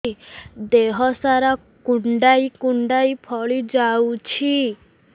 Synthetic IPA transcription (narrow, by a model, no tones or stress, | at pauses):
d̪eɦɔsaɾa | kuɳɖaikuɳɖaipʰɔɭid͡ʒawt͡ʃʰi